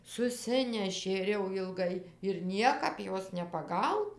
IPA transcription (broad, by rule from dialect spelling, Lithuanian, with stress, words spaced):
sʊˈsʲɪnʲɛʃʲeː ɪr jɛʊ jɪlˠˈɡɐɪ ɪr ˈnʲiɛkɐp ˈjoːs nʲɛpɐˈɡɐʊnɐ